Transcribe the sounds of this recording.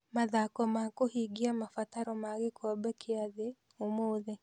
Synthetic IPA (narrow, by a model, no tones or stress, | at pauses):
maðakɔmakohiɡiamafat̪aɾɔmaɣekʰɔbɛkʰeaðe | omoːðɛ